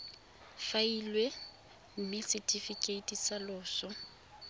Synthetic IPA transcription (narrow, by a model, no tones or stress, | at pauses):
failwe | m̩mɪsɪtʼifikʼeitʼisalʊːsɔ